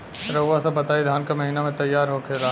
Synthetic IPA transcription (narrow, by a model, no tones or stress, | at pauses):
ɾɐasɐbɐt̪aːid̪ʱaːnkamɐɦiːnamẽt̪ɐjːaːɾɦokeɾaː